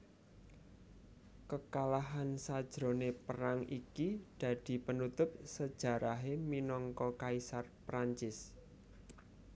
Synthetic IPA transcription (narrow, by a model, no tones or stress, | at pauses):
kəkalaɦansad̥ʒ̥ɾo̤nepəɾaŋikid̪̥ä̤d̪̥i̤pənut̪ʊp̚səd̥ʒ̥a̤ɾaɦeminɔŋkɔkaisarpɾaɲt͡ʃɪs